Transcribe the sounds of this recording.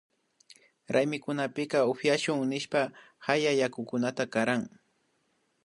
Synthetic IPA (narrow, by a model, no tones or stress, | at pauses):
ɾʔajmɪkʊnapɪkɑopjaʃʊŋnɪʃpa | hajajakʊkʊnat̪akaɾaŋ